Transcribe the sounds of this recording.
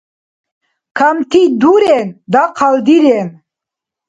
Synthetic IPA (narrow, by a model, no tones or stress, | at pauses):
kʰamt̪ʰid̪uɾɛnd̪aqʰald̪iɾɛn